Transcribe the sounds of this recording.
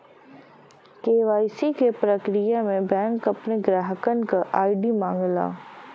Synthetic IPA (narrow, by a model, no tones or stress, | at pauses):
keːʋaːɪsikepɾəkɾijamẽbɛ̃ːŋkɐpneɡɾaːɦəkənkaʔaːɪɖimãːŋɡla̰ː